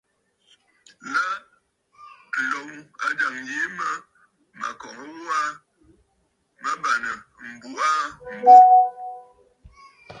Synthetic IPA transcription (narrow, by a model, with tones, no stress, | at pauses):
la˦˨ | lo˨wa˨da˨ŋje˨˦ma˦ | ma̰˨kɔ˨ŋə˦wo˦a˦ | ma˦ba˨nə˨m̩˨bu˨a˦m̩˦bu˦